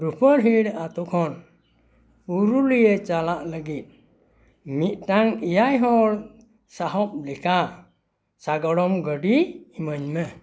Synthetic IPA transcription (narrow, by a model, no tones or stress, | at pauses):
ɾupʰəɾɦiɽat̪ukʰɔn | puɾulujet͡ʃalaʔləɡit̪̚ | mit̪̚ˀʈaŋijajɦɔl | saɦɔp̚likʰa | saɡɔɽɔmɡəɖiːməɲmə